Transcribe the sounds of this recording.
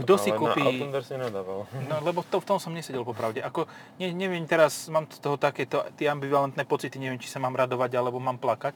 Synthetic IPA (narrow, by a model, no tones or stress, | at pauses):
ɡd̪ɔsikuːpind̪ɛɾsɲɛnad̪aːʋalnɔlɛbɔft̪ɔft̪ɔmsɔmɲɛsɛɟɛlpɔpɾaʊɟɛʔakɔ | ɲɛɲɛʋɪɛmt̪ɛɾasmaːmst̪ɔɦɔt̪akɛːt̪ɔt̪ɪɛambiʋalɛnt̪nɛːpɔt͡sit̪iɲɛʋɛmt͡ʃi̥samaːmɾad̪ɔʋaɟalɛbɔmaːmplakac̚